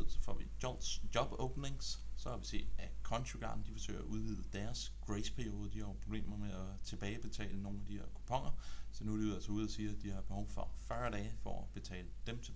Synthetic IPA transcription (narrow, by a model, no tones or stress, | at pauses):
eð̰ˠsɒfɒ̰ːʋid̥jɒnsd̥jɒ̽b̥ɔb̥ne̝ŋssɒ̽hɑ̈ʋise̝̰ːd̥ækʰɒ̽nɕuɡ̥ɑ̰̈ːd̥n̩d̥ifɒ̽sø̰ɪɐæʔuð̞ˠʋiðˠəd̥æɐsɡ̥ʁeɪspʰæɐʁio̝ːðˠɐd̥ihɑ̈opʰʁ̥o̝b̥e̝̰ːmɐmeæ | t͡sʰe̝b̥ɛːɪb̥e̝t͡sʰɛ̰ːləno̝ːnæd̥iheɐ̰kʰu̥pʰɒ̽ŋ̰ɐsɒ̽nulyːðˠsɒ̽uð̞̰ˠɐsiːɐæd̥ihɑ̈b̥ehɒʊ̰fɒ̽fɶɐɐɾ̥ɛːɪfɒ̰æb̥e̝t͡sʰɛ̰ːləd̥emt͡sʰeb̥